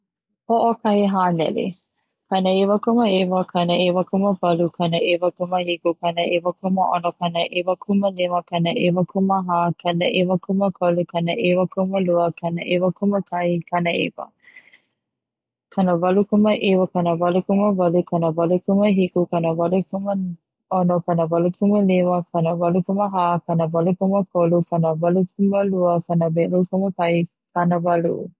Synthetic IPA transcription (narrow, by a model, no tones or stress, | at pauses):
hoʔokɐiɦanɛ̰lḛ | kɐnəevəkuməevəkʰɐnəevəkuməvɐlukʰɐnəʔevəkuməhikukɐnəʔevəkuməʔonokɐnəʔevəkʰuməneməkɐnəʔevəkʰuməɦaːkʰɐnəʔevəkʰuməkʰolekɐnəʔewəkuməluəkɐnəʔevəkuməkʰɐjkɐnəḛvə̰ | kɐnəvɐlukuməʔewɐkɐnəvɐlukuməvɐlukɐnəvɐlukuməɦikukɐnəvɐlukumə | onokɐnəvɐlukʰuməlewɐkɐnəvɐlukuməɦakɐnəvɐlukuməkʰolukɐnəvɐlukʰuməluəkɐnəbeɾukuməkɐj | kʰɐnəvɐlṵ